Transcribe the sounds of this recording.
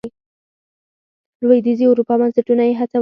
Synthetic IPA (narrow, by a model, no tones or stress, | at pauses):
i | lwajd̪iziawɾupɑbansaʈunajeɦat͡sa